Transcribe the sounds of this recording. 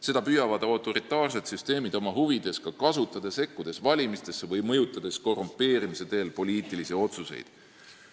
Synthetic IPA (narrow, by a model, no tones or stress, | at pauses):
se̞d̪̥ɑpyjɑvɑd̪̥ot̪ːˑo̞ɾit̪ːˑɑːrse̞t̪syst̪e̞ːmid̪o̞mɑɦuvid̪̥e̞skɑkɑsut̪ːˑɑd̪̥e̞se̞kːud̪̥e̞svɑlʲimist̪e̞sːevɤjmɤjut̪ːˑɑd̪̥e̞sko̞rumpːˑe̞ːɾimised̪e̞ːlpo̞liːt̪ːˑilisio̞t̪suse̞̰jd̪̥